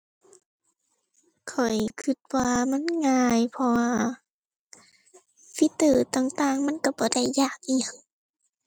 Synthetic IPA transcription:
kʰɔ˨˩jkʰɯ˧˩t̪̚waː˧ma˧˥˨nŋaː˧˩jpʰɔ˧waː˧ | fi˧˦t̪ɯː˧˩t̪aː˧˩˨ŋt̪aː˧˨ŋma˧˥˨nka˧˩bɔː˧˦da˥˩jːaː˧˩k̚ʔi˧˩ə˨ŋ

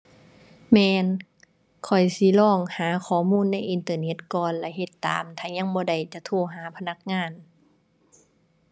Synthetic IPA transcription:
mɛː˧n | kʰɔ˨˩jsi˧˦lɔː˧˥˩ŋhaː˨˦kʰɔː˧˩muː˧˥˨nːa˧˥˩jʔi˧nt̪ɤː˧ne˧˥t̪̚kɔː˨nlɛ˧ɦe˧˦t̪ːa̰ː˨˦mt̪ʰaː˧˩ɲa˧˨ŋbɔː˧˦da˧˩jt͡ɕa˧t̪ʰu˧˩˨ɦaː˨˦pʰa˧na˧˥k̚ŋaː˧˥˨n

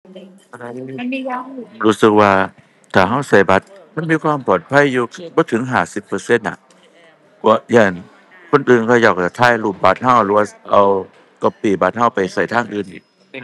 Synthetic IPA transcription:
ʔa˧ɾa˧ɾuː˦˥sɯ˧k̚waː˧ | t̪ʰaː˨˩ɦa˧˥˩wsa˨˩jba˧˦t̪̚ma˧˥˨nmiː˧˥˧kʰwaː˧˥˨mpʰɔː˨˩t̪̚pʰa˧˥˨jːuː˧bɔː˧˦t̪ʰɯ˨˦ŋɦaː˨˩si˧˦pːɤː˧se˧˥˨nːa̰˨˧˩ʔ | kɔː˧˩˦ja˧˩˨n | kʰo˧˥˨nʔɯː˨nkʰɔː˧˩jaː˧˩k̚a˨˩t̪ʰaː˧˥˨jlu˧˩p̚ba˧˥t̪̚ha˧˩˨wlɯː˧˦waː˧ʔa˧˩w | kɔ˧˩piː˨˩ba˧˥t̪̚ha˧˩˨wpa˨˩jsa˧˩jt̪ʰaː˧˩˨ŋʔɯː˨˩nʔi˨˩

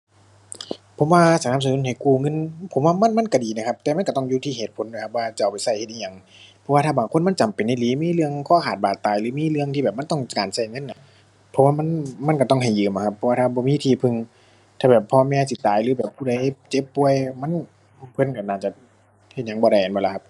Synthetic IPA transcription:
pʰo˨˦mwaː˧sa˧na˧˨msa˧˨nu˧˥˨nha˨˩jkuː˧˩ŋɤ˧˥˨npʰo˨˦mwaː˧ma˧˥˨nma˧˥˨nka˧˩diː˨na˧˩kʰa˧p̚t̪ɛː˧ma˧˥˨kt̪ɔ˧˥˩ŋjuː˧t̪ʰiː˧˩heː˧˨˩t̪̚pʰo˨˦ndoː˨˦kʰa˧p̚waː˧t͡ɕa˧˩˨wpa˨˩jsa˧˩jhe˧t̪ʔiː˧ɲa˧˩ŋ | pʰɔ˧waː˧t̪ʰaː˧˩baː˨ŋkʰo˧˥˨nma˧˥˨nt͡ɕa˨mpe˨nːa˧˩˨liː˨˦miː˧˥˨lɯ˧əŋkʰɔː˧˥˨kʰaː˨˩t̪̚baː˨˩t̪ːaː˨˩jlɯː˨˦miː˧˥˨lɯ˧əŋt̪ʰiː˧bɛː˨p̚ma˧˥˨t̪ɔ˧˥˩ŋ˧˨kaː˨nsa˧˩jŋɤ˧˥˨nːa˧˩ | pʰːɔ˧˥waː˧ma˧˥˨nma˧˥˨nka˧˩t̪ɔ˧˩ŋɦa˨˩jːɯː˨˩mʔa˨˩kʰa˧pʰːɔ˧waː˧aː˧˩bɔː˧miː˧˥˨t̪ʰiː˧˩pʰɯ˧ŋ | t̪ʰaː˧˩bɛː˨˩pʰːɔː˧mɛː˧si˧˦t̪aː˨˩jlɯː˨˦bɛː˨˩p̚kʰuː˧da˧˦jt͡ɕe˧˥˦pːu˧əjma˧˥˨n | pʰɤ˧˨nka˧˩naː˧˩t͡ɕa˧˩ | he˧t̪̚ɲa˧˦ŋbɔː˧ɾa˧˩jʔa˨nbɔː˧la˧˩kʰa˧p̚

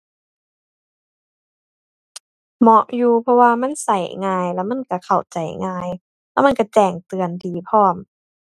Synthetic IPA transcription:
mɔ˧˥ʔjuː˧pʰɔ˧waː˧ma˧˥˨nsa˨˩jŋaː˧jlɛː˧˥˨wma˧˥˨nka˧˩kʰa˨˩wt͡ɕa˨˩jŋaː˧j | lɛː˧˥˨ma˧˥˨ka˧˩t͡ɕɛː˨˩ŋt̪ɯ˨˩əndiː˨˩pʰɔː˧˥˩m

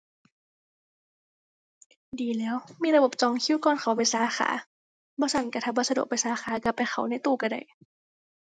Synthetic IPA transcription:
diː˨˩lɛː˦˥wmiː˧˨ɾa˧bo˨˩p̚t͡ɕɔː˧˩ŋkʰi˧˥˨kɔː˧˥˨nxʰa˨˩˦wpa˨˩jsaː˨˦xa̰ː˩˦ | bɔː˧˦sʰa˦˥nka˧˩t̪ʰaː˧˩bɔː˧˥˩sa˧du˨˩ək̚pa˨jsaː˨˦xaː˨˦ka˧˩pa˧˩xʰa˧˩˦wna˧˥˩jt̪uː˧˩ka˧˩da̰˧˩j

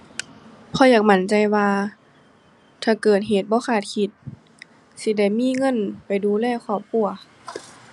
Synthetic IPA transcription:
pʰɔ˧˦jaː˨˩k̚ma˧˥˦nt͡ɕa˧jwaː˧ | t̪ʰaː˧˩kɤː˨˩t̪̚ɦeː˨˩˦t̪̚bɔː˧˦kʰaː˧˩t̪̚kʰi˧˦t̪̚ | si˧˦da˧˩jmiː˧˥˨ŋɤ˧˥˨npa˨jduː˧lɛː˧˨wkʰɔː˧˩p̚ku˧˩˨ɐ

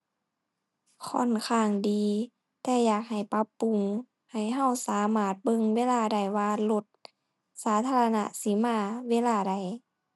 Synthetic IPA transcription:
kʰɔ˧˥˨nkʰaː˧˩ŋdiː˧˦ | t̪ɛː˧jaː˨˩k̚ha˨˩jpa˧˦pːu˧˨ŋ | ha˨˩jɦa˧˩˨wsaː˨˦maː˧˩t̪̚bɤ˧˨ŋweː˧˥˨laː˧˩da˨˩jwaː˧lo˧˦t̪̚ | saː˨˧˦t̪ʰaː˧la˧na̰˧si˧˦maː˧˩weː˧˨laː˧˩da˧˩j

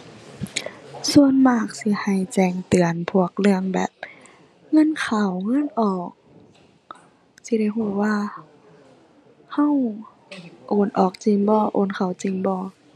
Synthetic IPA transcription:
su˧ənmaː˧˩k̚si˧˦ha˧˩jt͡ɕɛː˧˩ŋt̪ɯ˨˩ənpʰu˧˩ək̚lɯ˧˩əŋbɛ̰ː˨˩p̚ | ŋɤ˧˥˨nkʰa˨˩wŋɤ˧˥˨nʔɔː˨˩k̚ | si˧˦da˧˩jɦuː˧˩waː˧ | ha˧˥˩w | ʔoː˧˩nʔɔː˨˩k̚t͡ɕi˧˩ŋbɔː˧˦ʔoː˧˩˨nkʰa˨˩wt͡ɕi˧˨ŋbɔː˧

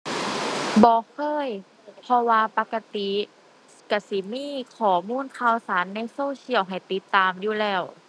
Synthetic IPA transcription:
bɔː˧˦kʰɤː˧˥˨j | pʰɔ˧waː˧pa˧ka˧t̪i˧˦ | ka˧˩si˧˩miː˧˥˨kʰɔː˨˩muː˧˥˨nkʰa˧˩wsaː˨˦nːa˧˥˨jsoː˧˨si˧˩əwɦa˨˩jt̪i˧˦t̪ːaː˧mjuː˧˩lɛː˧˩w

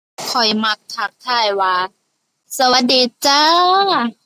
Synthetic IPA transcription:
kʰɔ˨˩jma˧˥k̚t̪ʰa˧˥k̚t̪ʰaː˧˥˩jwaː˧˩ | sa˧wa˧˦t̪̚diː˨˧˦t͡ɕaː˧˥˨

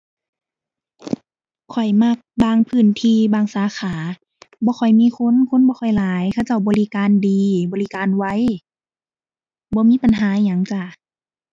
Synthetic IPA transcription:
kʰɔ˨˩jma˧˩k̚baː˧˨ŋpʰɯː˧˩˨nt̪ʰiː˧baː˧˩ŋsaː˨˦xʰaː˨˦ | bɔː˧˦xʰɔ˨˩jmiː˧˥˨kʰo˧˥˨nkʰo˧˥˨nbɔː˧˦xʰɔ˨˩jlaː˨˦jkʰa˧˩wt͡ɕa˧˩wbɔː˧li˧˨kaː˨˧˨ndiː˨˧bɔː˧li˧kaː˧˨nwa˧˨j | bɔː˧˦miː˧˥˨pa˨nɦaː˨˦˧ɲa˨˦ŋt͡ɕa˧˩

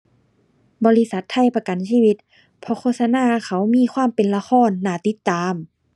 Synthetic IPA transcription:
bɔː˧˦li˦˧˥sa˧˦t̪ʰːa˧˥˩jpa˧ka˨nsiː˧˨wi˧t̪̚ | pʰɔ˧˦kʰoː˧t̪̚sa˧naː˧˥˨kʰa˧˦wmiː˧˥˨kʰwaː˧˥˨mpe˨nla˧xɔː˧˥˨nːaː˧˩t̪i˧˦t̪ːaː˨˧m

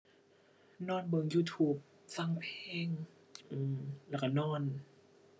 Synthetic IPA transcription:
nɔː˧˥˩nbɤː˧ŋjuː˧˩t̪ʰuː˧˩p̚ | sa˧˩˨ŋpʰeː˧˩ŋ | ʔɯː˧˩mlɛː˧˩ka˧˩nɔː˧˥˩n

